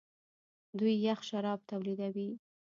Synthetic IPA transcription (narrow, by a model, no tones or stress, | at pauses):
d̪ujːaxʃaɾɑb̚t̪awlid̪awi